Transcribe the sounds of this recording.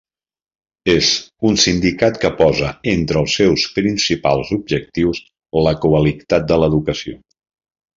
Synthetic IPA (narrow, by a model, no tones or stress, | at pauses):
ezunsind̪ikat̪kəpɔzəent̪ɾəːlˠsɛwspɾinsipa̰lˠzub̚ʒək̚t̪iws | ləkuəlit̪at̪̚d̪ələðukəsio̰